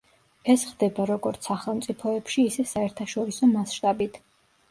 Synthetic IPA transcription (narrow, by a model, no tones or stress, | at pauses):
ɛsχd̪ɛbaɾɔɡɔɾt̪sʰaχɛlˠmt̪sʼipʰɔɛpʃiːsɛsaɛɾt̪ʰaʃɔɾisɔmasʃt̪ʼabit̪ʰ